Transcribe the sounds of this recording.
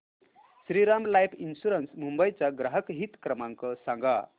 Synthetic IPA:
sɾiɾamlajpʰinsuɾənsmumbʌjt͡sʌɡɾaɦəkɦit̪kɾʌmaŋkʌsʌŋɡʱʌ

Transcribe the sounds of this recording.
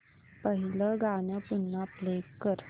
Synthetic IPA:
pəɦiləɡaɳjapunːapleɡkəɾ

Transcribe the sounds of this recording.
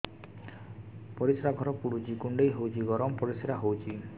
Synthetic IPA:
pɔɾisɾaɡʱɔɾɔpuɽud͡ʒikuɳɖejɦowt͡ʃʰiɡɔɾɔmpɔɾisiɾaɦowt͡ʃʰi

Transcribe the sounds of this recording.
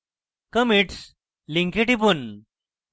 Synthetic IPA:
kəmiʈs | liŋkeʈip̬un

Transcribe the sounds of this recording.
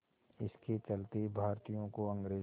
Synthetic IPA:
ɪsket͡ʃɐlt̪ebʱaːɾt̪ijõkoɐ̃ŋɡɾeː

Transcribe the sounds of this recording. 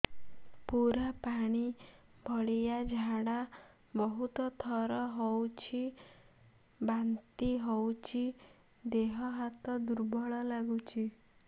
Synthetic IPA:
puɾapaɽ̃i | bʱɔɭijad͡ʒʱaɽa | bɔɦut̪ɔt̪ʰɔɾɔɦowt͡ʃʰi | bant̪iɦowt͡ʃʰi | d̪eɦɔɦat̪ɔd̪uɾbɔɭɔlaɡut͡ʃʰi

